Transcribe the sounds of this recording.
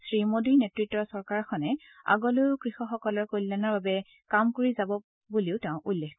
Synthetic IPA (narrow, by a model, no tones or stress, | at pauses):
sɹimodinetɹitːɔsɔɹkaɹɔkʰɔnɛ | a̰ɡɔlʊkɹixɔxɔkɔlɔɹkojlːanaɹbabɛ | kamkoɹizabɔ | buliʊtɛʊ̃ʔulːex